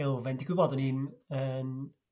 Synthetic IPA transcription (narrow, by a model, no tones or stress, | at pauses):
ɪlˠvɛndɪɡwɪbɔdəniːnəːn